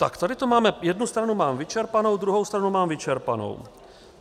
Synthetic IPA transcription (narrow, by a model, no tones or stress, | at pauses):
t̪a̰kt̪adɪt̪omaːmɛjɛdnust̪ɾanumaːmvɪt͡ʃɛɾpanowd̪ɾuɦowst̪ɾanumaːmvɪt͡ʃɛɾpano̰w